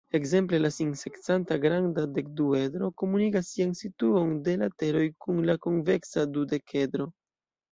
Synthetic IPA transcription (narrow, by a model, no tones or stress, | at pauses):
e̞kze̞mple̞lasinse̞kt͡santaɡɾandade̞k̚due̞dɾo̞ko̞munikasːiansituo̞nde̞late̞ɾo̞jkunlakonve̞ksadude̞ke̞dɾo̞